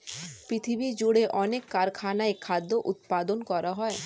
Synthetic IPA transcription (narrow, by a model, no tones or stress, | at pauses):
pɾit̪ʰibid͡ʑuɽeʔɔnekːaɾkʰanaekʰad̪ːoʔut̪̚pad̪onkɔɾaɦɔe